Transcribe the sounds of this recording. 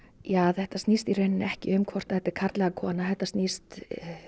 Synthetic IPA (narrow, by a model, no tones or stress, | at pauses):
jaːaðθɛht̪ast̪nist̪ireɥnɪnɛhcɪ̰ʏmkʰvɔr̥t̪aðɛt̪ːɪɾ̥kʰaɾt̪lɛɣakʰɔːnaθɛht̪ːast̪nist̪